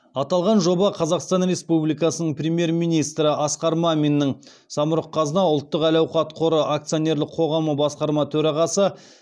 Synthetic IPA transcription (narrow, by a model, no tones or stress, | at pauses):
ɑt̪ɑlˠʁɑnʒo̞bɑqʰɑzɑqst̪ɑnɾe̞spublijkɑsənəɴprʲemje̞rmijnijst̪ɾəʔɑsqɑɾmɑmʲinːəɴ | sɑməɾəqʰːɑzənɑʊlˠt̪ːəqælɑwqɑt̪qʰoɾəʔak̚t̪sijo̞nʲe̞ɾlɪqʰo̞ʁɑməbɑsqɑɾmɑt̪ʰɵɾɑʁɑsə